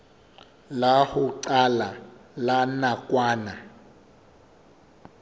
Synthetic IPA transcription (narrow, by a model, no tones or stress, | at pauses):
lahuǀalalanakʼwaːna